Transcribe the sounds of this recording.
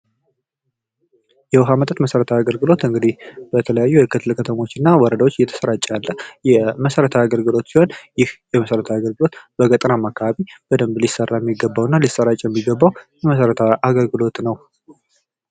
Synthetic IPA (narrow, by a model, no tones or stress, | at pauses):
jɛwɦamət̪ʼət̪məsəɾət̪ʰaaɡəlɡɨlo̞t̪ɨŋɡɨd̪ib̥ət̪ʰələjajːujɛkɨt̪ʰɨlkʰət̪ʰəmo̞t͡ʃːɪnːawɔɾəd̪awo̞t͡ʃːjɛt̪ʰə̥səɾat͡ʃʼːjalːəjɛməsəɾət̪ʰaaɡəlɡɨlo̞t̪siho̞njɪhjɛməsəɾət̪ʰaaɡəlɡɨlo̞t̪b̥əɡət̪ʼɾamakʰːaβaβib̥əd̪əmblisərːajɛmːiɡːəbːawɨnːalisəɾat͡ʃʼjɛmːiɡəbːawjɛməsəɾət̪ʰaaɡəlɡɨlo̞t̪nəw